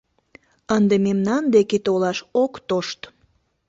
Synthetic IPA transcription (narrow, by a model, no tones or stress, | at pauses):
ənd̪ememnɑnd̪eket̪olɑʃokt̪oʃt̪